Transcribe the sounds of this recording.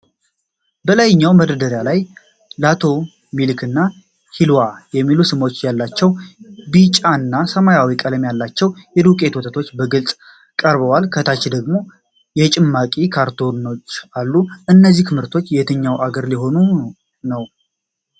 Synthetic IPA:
bəlajɪɲːawməd̪əd̪əɾjalaj | lat̪ʰo̞ | milkʰɨnːa | hilwajɛmːilusɨmo̞t͡ʃːjalːat͡ʃːɛwbit͡ʃʼːaɨnːasəmajawikʼələmjalːat͡ʃːɛwjɛd̪ukʼe̞t̪ʰot̪ʰət̪ʰo̞t͡ʃːbəɡɨlsʼ | kʼəɾbəwalkʰət̪ʰat͡ʃːid̪əɡmo̞ | jɛt͡ʃʼɪmːakʼikʰaɾt̪ʰo̞no̞t͡ʃːalːuʔɨnːəzːiht̪ʰɨmɨɾt̪ʰo̞t͡ʃːjɛt̪ʰəɲːawʔaɡəɾliɦo̞nu | nəw

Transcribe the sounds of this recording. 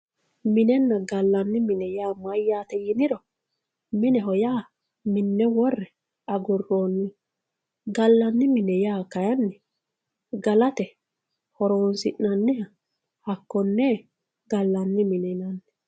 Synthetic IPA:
mɪnɛnːɐɡɐlːɐnːɪmɪnɛjaːmɐjːaːt̪ɛjɪnɪɾɔ | mɪnɛɦɔjaː | mɪnːɛwɔrːɛ | ɐɡʊrːoːnːɪ | ɡɐlːɐnːɪmɪnɛjaːkɐjɐnːɛ | ɡɐlɐt̪ɛ | hɔɾoːnsɪʔnɐnːɪhɐ | hɐkːɔnːɛː | ɡɐlːɐnːɪmɪnɛnɐnː

